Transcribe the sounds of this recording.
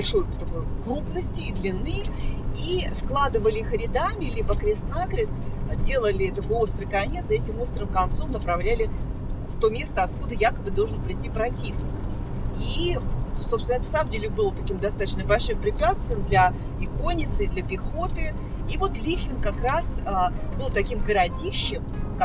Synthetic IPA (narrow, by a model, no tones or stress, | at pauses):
bɐlʲʂo̞jt̪ɐko̞jkrubnəsʲtʲɪːd̪lʲɪnːɨjisklˠad̪ɨvəlʲɪixɾʲɪd̪amʲɪlʲibəkɾʲɪst̪nakɾʲɪsdʲe̞lˠəlʲɪɛt̪ɐpo̞st̪ɾɨjkɐnʲe̞t̪sɛtʲɪmo̞st̪ɾɨmkɐnt̪so̞mnəpɾɐvlʲælʲɪft̪o̞mʲe̞st̪əɐt̪̚kud̪əjakəbɨd̪olˠʐənpɾʲɪtʲːipɾɐtʲivnʲɪk | i | sopsvʲɪnɛt̪ə̥saəmdʲelʲɪbɨlˠət̪ɐkʲimd̪ɐst̪at̪ət͡ɕnəbɐlʲʂɨmpɾʲɪpʲat̪st̪vʲɪjɪmd̪lʲɐ | ɪko̞nʲɪt̪sɨid̪lʲəpʲɪxo̞t̪ɨ | ivo̞t̪lʲixʲɪnkɐkɾasəbɨlˠt̪ɐkʲimɡəɾɐdʲiɕːɪmk